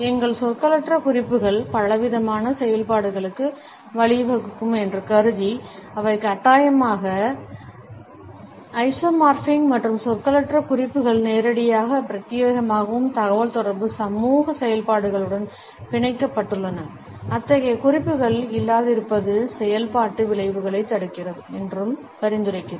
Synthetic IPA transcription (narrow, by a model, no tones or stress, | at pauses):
ɛŋɡɐɭsɔkːɐlɐʈrɐkʊrɪpːɯɣɐɭpɐlɐʋɪðɐmaːnɐsɛjɐlpaːɽɯɣɐɭɯkːɯ | ʋɐɭɪʋɐɣɯkːɯmɛndrɐkɐɾɯðiɐʋɐɪkːɐʈːaːjɐmaːɣɐ | ɐɪsomaːɾfɪŋɡmɐʈrɯmsɔkːɐlɐʈːrɐkʊrɪpːɯɣɐɭneːɾɐɽɪjaːɣɐpɪɾɐt̪ːɪjeːɣɐmaːɣɐʋɯmt̪ɐɣɐʋɐlt̪ɔɾɐɾbɯsɐmuːɣɐsɛjɐlpaːɽɯɣɐɭɯɽɐn | pɪɳɐɪkːɐpːɐʈːɯɭːɐnɐ | ɐt̪ːɐɣɐjkʊrɪpːɯɣɐɭɪlːaːðɪɾɯpːɐðɯsɛjɐlpaːʈːɯʋɪɭɐɪʋɯɣɐɭɐɪt̪ːɐɽɯkːɪrɐðɯɛndrɯm | pɐɾɪnd̪ɯɾɐɪkːɪɾɐ